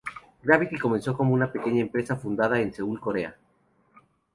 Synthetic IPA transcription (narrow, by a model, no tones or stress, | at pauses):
ɡɾaβit̪iko̞me̞nso̞ko̞mounape̞ke̞ɲaempɾe̞safund̪að̞aense̞ulko̞ɾea̰